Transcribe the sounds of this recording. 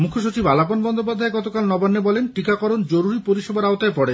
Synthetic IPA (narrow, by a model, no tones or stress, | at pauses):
mukʰoʃut͡ɕibalaponbɔnd̪op̬ad̪ʱaeɡɔt̪okalnɔbanːebɔlenʈikakɔɾond͡ʑoɾuɾipoɾiʃebaɾaot̪aepɔɽe